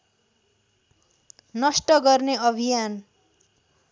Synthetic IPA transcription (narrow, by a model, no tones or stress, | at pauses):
nʌsʈʌɡʌrneʌbʱijan